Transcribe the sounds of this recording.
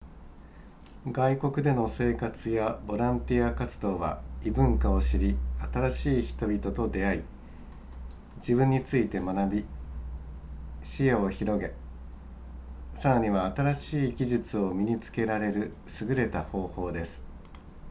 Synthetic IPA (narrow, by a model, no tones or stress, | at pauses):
ɡaiko̞kɯ̟d̪e̞no̞se̞ːkat͡sɨjabo̞ɾãnt̪ʲiakat͡sɨ̥d̪o̞ːβa̰ibɯ̟̃ŋkao̞ɕiɾʲiat̪aɾaɕiːçi̥t̪o̞bʲit̪o̞t̪o̞d̪e̞ai | d͡ʑibɯ̟̃ɲ̟ːit͡sɨit̪e̞manabʲi | ɕijao̞çiɾo̞ɡe̞ | saɾaɲ̟iβaːt̪aɾaɕiːɡʲiʑit͡sɨo̞mʲiɲ̟it͡sɨ̥ke̞ɾaɾe̞ɾɯ̟ | sɨɡɯ̟ɾe̞t̪aho̞ːho̞ːd̪e̞sɨ̥